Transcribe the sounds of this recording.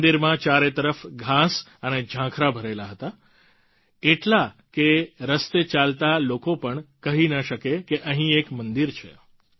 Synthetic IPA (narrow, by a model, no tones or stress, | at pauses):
d̪iɾmãt͡ʃaɾet̪əɾəfɡʱãsəned͡ʒʱãkʰɾabʱəɾelaɦət̪a | eʈla | keɾəst̪et͡ʃalt̪alokopəɳkəɦinəʃəkekeʔəɦĩekmənd̪iɾt͡ʃʰḛ